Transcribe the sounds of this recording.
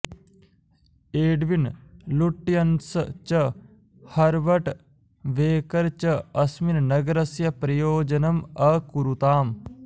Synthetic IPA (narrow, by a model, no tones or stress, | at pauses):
eːɖʋinluʈːijɐnst͡ʃə | hɐɾʋɐʈ | ʋeːkɐɾt͡ʃɐɐsminnɐɡɐɾɐsjɐpɾɐjoːd͡ʒɐnɐmɐkuɾut̪aːm